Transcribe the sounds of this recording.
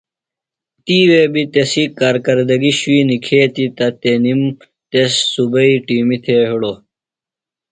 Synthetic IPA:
t̪iːwebit̪esikaːɾkɐɾd̪ɐɡiɕuiːnikʰeːt̪it̪ɐt̪enim | t̪esːubɐiʈiːmit̪ʰeɦuɽo

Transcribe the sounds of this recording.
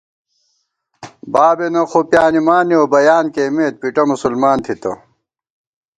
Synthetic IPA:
baːbenɐxopjaːnimaːniobɐjaːnkeːmeːt̪̚piʈɐmusulmaːnt̪ʰit̪ɐ̰

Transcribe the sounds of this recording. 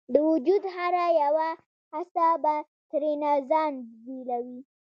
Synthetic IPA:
d̪əwʊd͡ʒud̪haɾajawa | asaba | t̪ɾenazɑnbelawi

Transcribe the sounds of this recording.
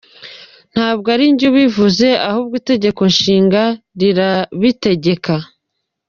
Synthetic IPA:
n̥haːb̚ɡaɾiɲɟuβivuze̞ʔahubɡiːte̞ɟe̞ko̞nʃiːŋɡaɾiɾaβite̞ɟe̞ka

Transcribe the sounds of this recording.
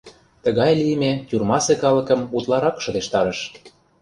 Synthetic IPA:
t̪əɣɑjlijəmet̪ʲyrmɑsekɑlɤ̆kə̆mut̪lɑɾɑkʃɤ̆d̪eʃt̪ɑɾə̆ʃ

